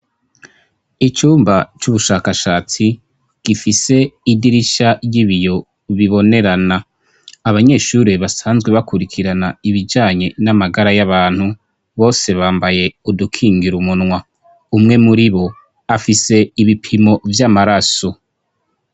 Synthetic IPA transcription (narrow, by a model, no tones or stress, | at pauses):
it͡ʃuːmbat͡ʃuβuʃaːkaʃaːt͡si | ɡ̥ifise̞idiɾiʃajiβijo̞ | βiβo̞ne̞ɾana | aβaɲe̞ːʃuɾeβasaːnzɡwe̞βakuɾikʰiɾanaiβid͡ʒaːɲe̞namaɡaɾajaβaːnhu | βo̞ːse̞βaːmbaje̞udukʰiːŋɡiɾumunŋwa | umŋe̞muɾiβo̞ | afise̞iβipʰimo̞vjamaɾaso̞